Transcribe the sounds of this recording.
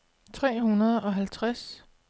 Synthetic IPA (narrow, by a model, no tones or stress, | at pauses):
t͡sʰʁɛ̰ːhunɐð̞ˠɒ̽ɦælt͡sʰʁas